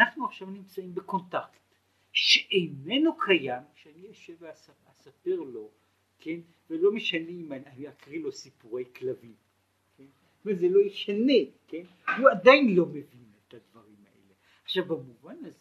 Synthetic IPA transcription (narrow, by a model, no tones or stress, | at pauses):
naχnuaχʃavnimt͡saimbeko̞ntakt | ʃeʔejme̞nokʰajamʃeanijaʃeveas | asape̞ʁlo̞ | kʰe̞n | velo̞meʃaneːmaaniakʁilo̞sipuʁe̞jklavi | kʰen | vezelo̞jeʃaneke̞n | huadajnlo̞mevinetadvaʁimaʔḛle | aχʃavbamuvanaze